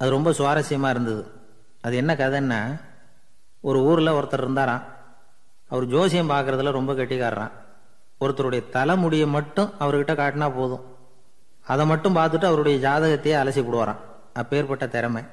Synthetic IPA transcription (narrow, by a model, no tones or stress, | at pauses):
ɐðɯɾɔmbɐsʊʋaːɾɐsɪjɐmaːɪɾɯnd̪ɐðɯ | ɐðɯɛnːɐkɐðɐnːɐ | ɔɾɯuːɾɪlɐɔɾɐt̪ːɐlɪɾɯnd̪aːɾãː | ɐʋɐɾɯd͡ʒoːsɪjɐmpaːɾkɯɾɐðɪlɐɾɔmbɐkɐʈːɪɣaːɾɐ̰ɾã̰ː | ɔɾɯt̪ːɐɾɯɽɐjɐt̪ɐlɐmʊɽɪjɐmɐʈːɯ̃ɐʋɐɾɯkɪʈːɐkaːʈːɪnaːpoːðʊ̃ | ɐðɐmɐʈːɯ̃mpaːɾt̪ɯʈːɯɐʋɐɾɯɽɐjɐd͡ʒaːðɐɣɐt̪ːɐjɐɐlɐsipɔɽɯʋaːɾã̰ː | ɐpːeːɾpɐʈːɐt̪ɛɾɐmɐɪ